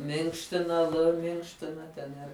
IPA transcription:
ˈmʲɪŋkʃʲtʲɪnɐ lˠ ˈmʲɪŋkʃʲtʲɪnɐ ˈtʲɛn ɪr

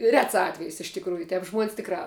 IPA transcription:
ˈrʲɛts ˈɑːtʲʋʲɛjɪs ɪʃ tʲɪkˈruːjʊ ˈtʲɛp ʒmuɔnʲsʲ ˈtʲɪkrɑː

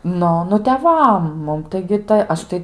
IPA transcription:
ˈnʊ ˈnʊ tʲɛˈʋɐm ˈmʊm tɐɪɡʲɪ tɐɪ ˈɐʃ tɐɪ

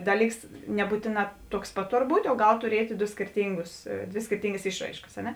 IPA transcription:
ˈdɑːˌlʲiːks nʲɛˈbuːtʲeːˌnɑː tuɔks ˈpɐt ˈtoːr ˈbuːtʲ oː ˈɡɐlˠ tʊˈrʲiɛtʲ ˈdoː sʲkʲeːrʲˈtʲiːŋɡʊs ˈdʲʋʲeː sʲkʲeːrʲˈtʲiːŋɡɐs ˈɪʃˌrɐɪʃkɐs ɐ ˈnʲɛ

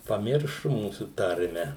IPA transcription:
pɐˈmʲɪrʃʊ ˈmuːsuː ˈtɐrʲmʲɛ

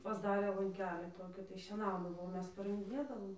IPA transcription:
pɐzˈdɑːrʲeː lˠɐŋʲˈkʲæːlʲiː ˈtoːkʲɪ tɐɪ ʃʲiɛˈnɐʊdɐʋoː oː ˈmʲɛs pɐrɨŋɡdʲɪˈnʲeːdɐʋoːm

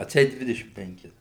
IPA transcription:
ɐtʲˈsʲɛɪt ˈdʲʋʲɪdʲɛʃʲɪm pʲɛŋʲˈkʲɪs

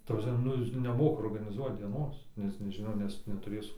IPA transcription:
tɐ prɐsʲˈmʲɛ ˈnʊ ˈjɪs nʲɛˈmoːkɐ oːrɡɐnʲɪˈzuɔt dʲiɛˈnoːs nʲɛs nʲɛˈʒʲɪnoː nʲɛs nʲɛtʊˈrʲeːs

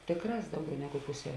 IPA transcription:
ˈtʲeːkˌrɑːs ˈdɐʊˌɡʲɛʊ ˈnʲæːɡʊ ˈpʊsʲɛ

